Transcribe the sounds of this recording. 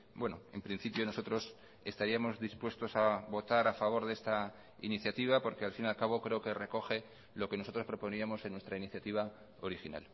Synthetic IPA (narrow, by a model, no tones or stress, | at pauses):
bwe̞noe̞̰mpɾin̟θipjo̞no̞so̞t̪ɾo̞s | e̞st̪aɾiamo̞zðispwe̞st̪o̞saβo̞t̪aɾafaβ̞o̞ɾðest̪a | ḭniθjat̪iβ̞apo̞ɾke̞alfinalkaβ̞o̞kɾe̞oke̞re̞ko̞xe̞ | lo̞ke̞noo̞t̪ɾo̞spɾo̞po̞niamo̞se̞nːwe̞st̪ɾainiθjat̪iβ̞a | o̞ɾixina̰l